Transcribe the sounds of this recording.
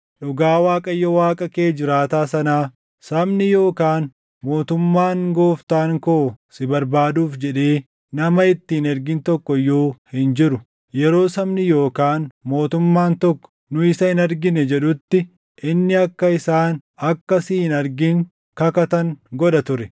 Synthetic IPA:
ᶑʊɡaːwaːkʼɐjːɔwaːkʼɐkeːd͡ʒɪɾaːt̪aːsɐnaː | sɐmnɪjo̞ːkaːn | mo̞ːt̪ʊmːaːŋɡo̞ːft̪aːŋkoːsɪbɐɾbaːd̪uːfd͡ʒɛᶑe̞ː | nɐmɐɪt̪ːɪɪnɐɾɡɪnt̪ɔkːɔjoːhɪnd͡ʒɪɾʊ | jɛɾo̞ːsɐmnɪjo̞ːkaːnmo̞ːt̪ʊmːaːnt̪ɔkːɔ̥nʊɪsɐhɪnɐɾɡɪnɛd͡ʒɛᶑʊt̪ːɪ | ʔɪnːɪɐkːɐɪsaːnɐkːɐsiːɪnɐɾɡɪŋ | kɐkɐt̪ɐŋɡɔᶑɐt̪ʊɾɛ

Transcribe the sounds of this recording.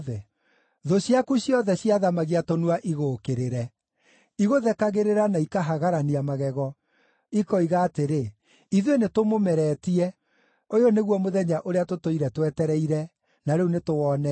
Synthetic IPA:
ðɛ | ðoɕjakuɕjɔðɛɕjaðamaɣiatonuaʔiɣokeɾeɾɛ | iɣoðɛkaɣeɾeɾanaikaɦaɣaɾaniamaɣɛɣɔ | ikɔiɣaːteɾe | iðwenetomomɛɾɛːtiɛ | ojoneɣwɔmoðɛɲaʔoɾeatotoiɾɛtwɛtɛɾɛiɾɛ | naɾeunetoɔnɛ

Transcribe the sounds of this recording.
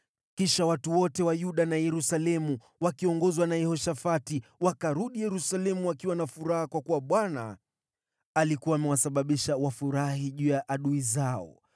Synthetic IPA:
kiʃawatuwɔtɛwajuɗanajɛɾusalɛmu | wakiɔŋɡɔzwanajɛhɔʃafatiwakaɾuɗijɛɾusalɛmuwakiwanafuɾahakwakuwaɓwana̰ | alikuwaːmɛwasaɓaɓiʃawafuɾahiʄuːjaʔaɗuizaɔ̰

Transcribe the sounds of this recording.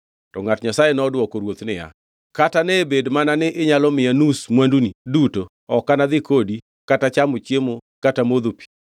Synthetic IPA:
tɔŋatɲasajenɔdwɔkɔɾwot̪nɪja̰ | katanebedmananɪʔɪɲalɔmɪanusmwanduniduto | ɔkanad̪ɪkodi | katat͡ʃamot͡ʃjemokatamod̪opi̥

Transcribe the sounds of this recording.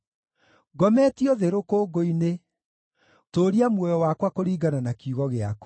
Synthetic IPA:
ɡɔmɛtiɔðeɾokoːɡoine | toːɾiamwɔjɔwakwakoɾiːɡananakiuɣɔɣeako̥

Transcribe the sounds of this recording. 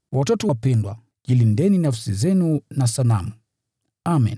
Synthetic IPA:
watɔtɔapɛndwa | ʄilindɛninafsizɛnunasalamu | amɛ̰n

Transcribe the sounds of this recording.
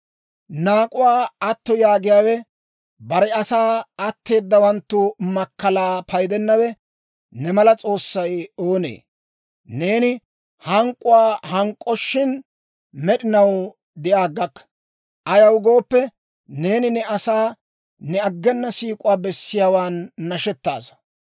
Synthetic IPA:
naːkʼʊwaːɐt̪ːɔjaːɡɪjaːwɛ | bɐɾɛɐsaːɐt̪ːe̞ːd̪ːɐwɐnt̪ːʊmɐkːɐlaːpʰɐjd̪ɛnːɐwɛ | nɛmɐlɐt͡sʼo̞ːsːɐjo̞ːnḛː | ne̞ːnɪ | hɐŋkʼːʊwaːhɐŋkʼːɔʃːɪn | mɛɗɪnɐw | d̪ɪjaːɡːɐkːɐ̥ | ʔɐjɐwɡo̞ːpːɛ | ne̞ːnɪnɛɐsaː | nɛɐɡːɛnːɐsiːkʼʊwaːbɛsːɪjaːwaːnːɐʃɛt̪ːa̰ːsɐ̥

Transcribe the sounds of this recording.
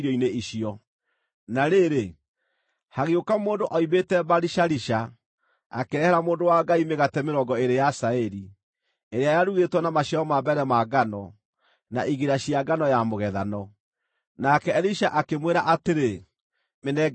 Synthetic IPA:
ɾɔineiɕiɔ | naɾeɾe | haɣeokamoːndoʔɔiβetɛbaɾiʃaɾiʃa | a̰keɾɛhɛɾamoːndowaɡaimeɣatɛmeɾɔɡɔeɾejasaɛɾi | eɾeajaɾuɣetwɔnamaɕaɔmabɛɾɛmaɡanɔ | na̰ʔiɣiɾaɕiaɡanɔjamoɣɛðanɔ | nakɛɛɾiʃaʔakemweɾaʔateɾe | menɛ

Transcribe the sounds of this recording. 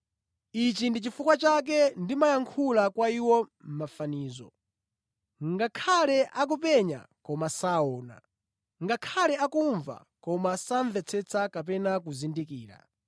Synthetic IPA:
it͡ʃindit͡ʃifukwat͡ʃak̬ɛndimajaŋkʰulakwaiwɔm̩mafaniːzɔ̰ | ŋɡakʰalɛʔak̬upɛɲa̰kɔmasaɔːna̰ | ŋɡakʰalɛakuɱva̰ | kɔmasaɱvɛt͡sʰɛt͡sʰakap̬ɛnak̬uzindikiːɾa̰

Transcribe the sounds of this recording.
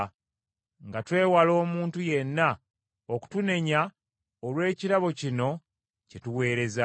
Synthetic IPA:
ŋɡatwe̞ːwalo̞ːmuːntuje̞nːa | oku̥tune̞ɲa | olwe̞ːciɾaβo̞cino̞ | cetuwe̞ːɾe̞za

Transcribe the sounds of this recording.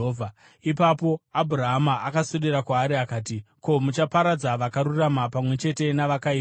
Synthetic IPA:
ovʱa | ipapo̞abʱuɾaɦmaʔakasoɗiɾakwaːɾiakaːt̬iko̞mut͡ʃapaɾad͡zaʋakaɾuramapamwe̞t͡ʃe̞te̞naʋakai

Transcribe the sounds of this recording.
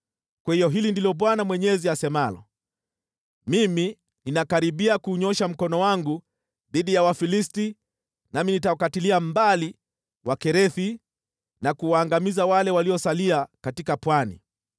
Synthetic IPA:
kwahijɔɦilindilɔɓwanamwɛɲɛziasɛmalɔ̰ | mimi | ninakaɾiɓiakuɲɔʃam̩kɔnɔwaŋɡu | ðiɗijawafilisti | naminitawakatiliambali | wakɛɾɛθi | nakuwaːŋɡamizawalɛwaliɔsaliakatikapwanḭ

